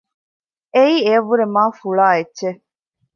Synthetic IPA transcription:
eiːeɐʋːuɾemaːfuɭaːetːʃe

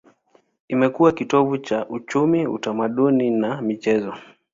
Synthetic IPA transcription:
imɛkuwakitɔvut͡ʃaʔut͡ʃumiṵtamaɗuninamit͡ʃɛzɔ

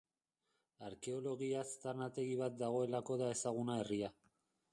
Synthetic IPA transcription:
aɾke̞o̞lo̞ɣiast̪aɾnat̪e̞ɣiβ̞at̪̚d̪aɣ̞o̞e̞lako̞ðae̞saɣ̞unae̞ria

